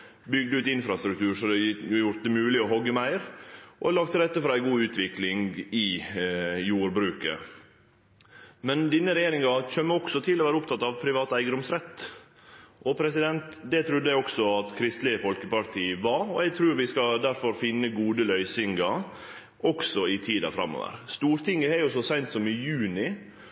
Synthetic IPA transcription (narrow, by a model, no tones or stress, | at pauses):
bʏɡ̚d̪əʉːt̪ɪnfɾɑst̪ɾʉk̚t̪ʰʉːɾʂɔd̪ɛjʊɾjʊɾt̪̚d̪ɛmʉːlɪɔɦɔɡəmæɪɾʔɔ̰lɑːɡ̚t̪ʰəlɾɛt̪ːəfɾɑːæɪɡuːʉːt̪ʰʋɪklɪŋɪ | juːɾbɾʉːkə̰ | mɛnd̪ɪnːəɾɛjeːɾɪŋɑçømːəɔksɔt̪ʰɪlɔʋæːɾəʊp̚t̪ʰɑt̪ːɑʋpʰɾɪʋɑːt̪æɪɡəd̪ʊmsɾɛt̪ː | ʔɔpʰɾɛsɪd̪ɛnt̪d̪ɛt̪ʰɾʉd̪ːəæɪɔksɔɑt̪kʰɾɪst̪lɪəfɔlkəpɑɾt̪ʰiːəʋɑɾɔɛɡ̚t̪ʰɾʉːɾʋɪskɑd̪æɾfɔɾfɪnːəɡuːd̪əlœʏsɪŋɡɑ | ʔɔksɔɪt̪ʰiːd̪ɑ̰fɾɑ̰mːo̰ːʋə̰ɾst̪uːɾt̪ʰɪŋːəhɛɾjʊsɔsæɪnt̪sɔmɪjʉːnɪ